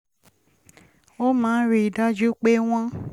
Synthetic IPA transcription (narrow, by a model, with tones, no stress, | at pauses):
o˦mãː˦n̩˦ɾi˦˨da˦d͡ʒu˦k͡pe˦w̃ɔ̃˦